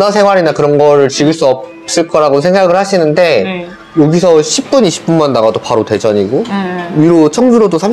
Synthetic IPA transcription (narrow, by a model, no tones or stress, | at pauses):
nasʰe̞ŋwaɾinakɯɾʌnɡʌɾɯɭt͡ɕiɡɯɭs͈uʌp̚ | s͈ɯɭk͈ʌɾaɡosʰeŋɡaɡɯɭhaɕʰinɯnde̞ | joɡisʰʌɕʰip̚p͈uniɕʰi̥p͈unmanːaɡadopaɾote̞d͡ʑʌɲiɡoiɾot͡ɕʰʌŋd͡ʑuɾodosʰam